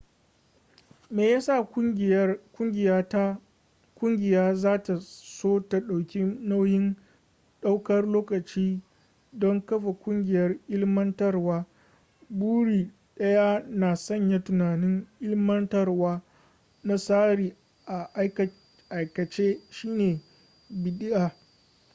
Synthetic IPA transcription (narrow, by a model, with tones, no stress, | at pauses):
meː˨jaː˦sa˦˨ | kʷʊ˦ŋɡʲɪ˨ja˦ | kʷʊ˦ŋɡʲɪ˨jaː˦zaː˦ta˨soː˦ta˨ɗa˨wkʲi˦na˦wjɪ˦n | ɗa˦wkɐ˦rloː˦kɐ˨t͡ʃiː˦ | dɔ˦ŋkɐ˦ɸa˨kʷʼʊ˦ŋɡʲɪ˨jɐ˦rʔɪ˦lmɐ˦ntɐ˦rwaː˦ | buː˦ɽiː˨ | ɗɐ˦ja˦naː˨sɐ˦˨ɲja˦tʊ˨naː˨nɪ˦ŋʔɪ˦lmɐ˦ntɐ˦rwaː˦ | na˦saː˦ɾiː˨ | ʔa˨ʔ | ʔa˨jkɐ˨t͡ʃeː˦ʃiː˦neː˨ | bɪ˨ɗɪ˦ʔaː˨